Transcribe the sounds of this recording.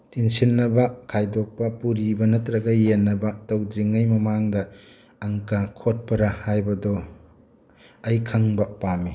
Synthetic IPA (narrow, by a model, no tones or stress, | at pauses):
tinsinːɐbɐkʰajdok̚pɐpuɾibɐnɐtɾɐɡɐjenːɐbɐtɐwdɾiŋɐjmɐmaŋdɐː | ŋkakʰot̚pɐɾahajbɐdɔ | ɐjkʰɐŋbɐpamːi